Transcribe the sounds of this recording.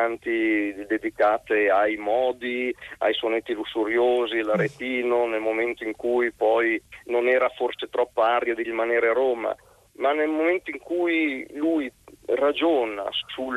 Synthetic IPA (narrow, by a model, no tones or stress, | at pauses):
ant̪id̪ed̪ikaːt̪eajmɔːd̪ia̰jsonet̪ːilusːuɾjoːzilaɾet̪iːnonelmoment̪oiŋkujpɔjnonɛːɾaforset̪ɾɔpːaaɾjad̪irimaneːɾeaɾoːma̰ | manelmoment̪oiŋkujlujrad͡ʒoːna̰su